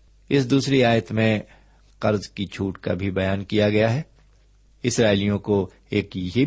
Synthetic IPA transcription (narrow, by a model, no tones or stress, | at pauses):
ɪsd̪uːsɾiaːjət̪mẽ | qɐɾzkit͡ʃʰuːʈka̰bʱibɐjaːnkijaɡɐjaɦɛː | ɪsɾaːɪlijõko | eːkje